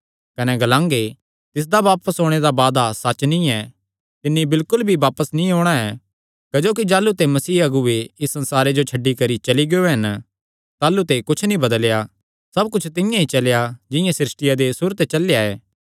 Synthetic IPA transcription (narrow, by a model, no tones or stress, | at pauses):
kɐnɛɡɐlãːŋɡe | t̪ɪs̬d̪aʋaːpəsɦoːɽ̃eɾabaːd̪asɐt͡ʃnĩɛ | t̪ɪnːibɪlkʊlbʱiʋaːpəsnĩɦoːɽ̃aɛ | kɐd͡ʒoːk̬id͡ʒaːlut̪emɐsiːɐɡʊeɪsːɐ̃nsaːɾed͡ʒot͡ʃʰɐɖːikɐɾit͡ʃɐliɡeoɦɐn | t̪aːlut̪ekʊt͡ʃʰnĩbɐd̪əlja | sɐbkʊt͡ʃʰt̪ɪ̃jãɦit͡ʃɐljad͡ʒɪ̃jãsɪɾɪsʈɪjad̪esuɾət̪et͡ʃɐljaɛ̰ː